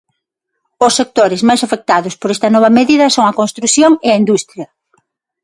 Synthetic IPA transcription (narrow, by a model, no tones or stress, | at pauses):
ʊsːek̚t̪oɾɪzmajsafek̚t̪aðʊspoɾɛst̪ɐnɔβɐmeðiðɐsoŋɐkõnst̪ɾuθjoŋɪɐind̪ust̪ɾjɐ